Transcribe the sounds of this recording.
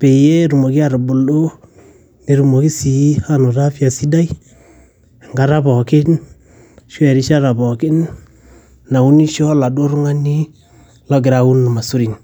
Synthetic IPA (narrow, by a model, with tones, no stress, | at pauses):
pe˨je˦ɾu˨mo˨ki˦a˦˨ɾbʊ˨lo˦ | ne˨ɾu˨mo˨ki˦si˨˦ha˦no˨ta˦fja˨si˦da˦j | ŋɡa˨ɾa˦pɔ˨kɪ˦n | ʃɛ˨ɾi˦ʃa˦ɾa˨bɔ˨kɪ˦n | na˨u˦ni˦ʃɔ˦la˨do˦ɾʊ˦ŋa˦ni˦ | lɔ˦ɡ̬ɪ˨ɾa˨u˦n˨ma˨su˦ɾi˨ŋ